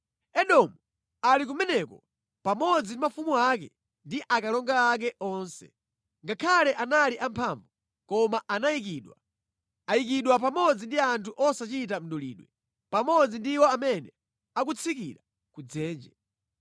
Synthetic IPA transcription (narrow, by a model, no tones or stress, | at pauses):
ɛɗɔmu | alik̬umɛnɛkɔ̰ | pamɔd͡zindimafumuakɛ̰ | ndiʔakalɔŋɡaːk̬ɛʔɔːnsɛ̥̰ | ŋɡakʰalɛʔanaliʔampʰaːɱvu | kɔmaʔanaik̬iːɗwa | aik̬iɗwap̬amɔd͡zindiantʰuʔɔsat͡ʃit̬am̩ɗɔlḭːɗwɛ | pamɔd͡zindiwɔamɛnɛ | ak̬ut͡sʰikiɾa | kud͡zɛːnd͡ʒɛ